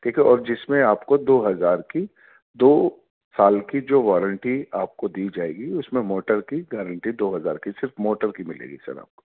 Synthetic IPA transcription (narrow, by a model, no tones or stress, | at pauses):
kiːkeɔːɾd͡ʒɪsmẽaːpkod̪oːɦɐzaːɾki | d̪oː | saːlkid͡ʒoːʋɔːɾə̃ɳʈiaːp̚kod̪iːd͡ʒaːḛːɡiʊsmẽmoːʈəɾkiɡɛːɾə̃ɳʈid̪oːɦɐza̰ːɾkisɪɾfmoːʈəɾkimɪlḛːɡḭsɐ̰ɾa̰ːp̚ko̥